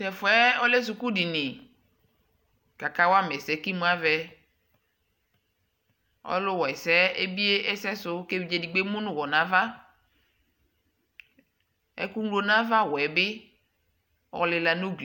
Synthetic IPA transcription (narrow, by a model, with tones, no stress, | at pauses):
sɛ˨fʊ˨˦ɛ˦ɔ˦le˦s̬u˨ku˦di˨nɪ̃˨ | ka˨ka˦wa˦mɛ˨sɛ˨ki˦mũ˦a˦vɛ˦ | ɔ̰˦lʊ˦wɔ˨ɛ˨sɛ˦e˦bi˦e˦ɛ˦sɛ˦sʊ˦ke˦vi˨d͡ʒe˨di˨ɡ͡be˦mu˦nũ˦wɔ˨nã˨va˦ | ɛ̰˦ku˦ŋlo˦nã˦va˦wɔ˨ɛ˨bɪ˦ | wɔ̰˨lɪ˨la˨nũ˦ɡl